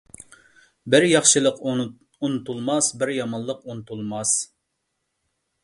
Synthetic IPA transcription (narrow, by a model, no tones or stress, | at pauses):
bɪɾjɑχʃɨlˠəq | unɨt̪ʰulˠmɑsbɪɾjɑmɑlˠːəqunɨt̪ʰulˠmɑs